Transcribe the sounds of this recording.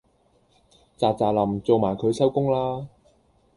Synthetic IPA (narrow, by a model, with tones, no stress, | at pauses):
t͡saː˨˧t͡saː˨˩lɐ˨˩mt͡so˨wmaː˨˩jkʰɵ˨˧ɥsɐ˥wkʊ˥ŋlaː˥